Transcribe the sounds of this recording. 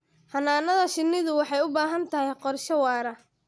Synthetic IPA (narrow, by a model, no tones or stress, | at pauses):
hɐnaːnɐðɐʃɪnːɪðʊwɑħɑjʊbaːɦɐnt̪ʰɐɦɛjqɔrʃɐwɑːɾɐ